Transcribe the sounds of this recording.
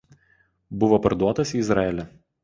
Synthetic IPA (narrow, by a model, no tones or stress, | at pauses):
bʊʋopɐɾd̪uɔt̪ɐsiːɪzɾɑɛlʲɛ